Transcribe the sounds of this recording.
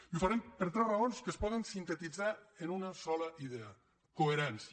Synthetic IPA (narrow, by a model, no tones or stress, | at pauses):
ufaɾɛmpəɾt̪ɾɛrəonskəspɔðənsint̪ət̪id͡zaenunəsɔləʔiðeə | koeɾɛns